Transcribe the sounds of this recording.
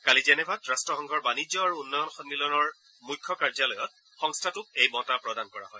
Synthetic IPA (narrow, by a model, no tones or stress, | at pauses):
kalizɛnɛbʱatɹastɹɔxɔ̃ŋɡʱɔɹbanid͡ʒɔaɹuunːɔjɔnxɔnːilɔnɔɹ | mujkʰːɔkaɹzalɔjɔt̚ | xɔŋstʰatʊk̚ejbɔtapɹɔdankɔɹa̰ɦɔj